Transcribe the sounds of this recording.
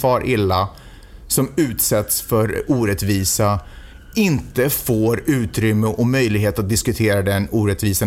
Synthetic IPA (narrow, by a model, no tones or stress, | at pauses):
fɑːɾʔɪlːa | sɔmʉ̟ːt̪sɛt̪sfœɾuːɾɛt̪viːsa | ɪnt̪əfoːɾʉ̟ːt̪ɾʏmːəʔɔmœjlɪɡɦeːt̪at̪̚d̪ɪskɵt̪ʰeːɾad̪ɛnuːɾɛt̪viːsa